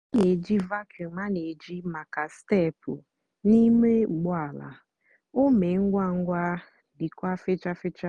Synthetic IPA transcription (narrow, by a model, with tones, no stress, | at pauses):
a˦ne˨d͡ʒi˦va˦kʰju˨ma˦ne˨d͡ʒi˦ma˨ka˨ste˦˨pʊ̰˨ | ni˦me˦˨ɡ͡bʊ˦a˨la̰˨ | o˦me˨ŋ̩˦ɡʷa˦ŋ̩˦ɡʷa˦ | dɪ˨kʷa˦fɪ˦t͡ʃa˦fɪ˦t͡ʃa˦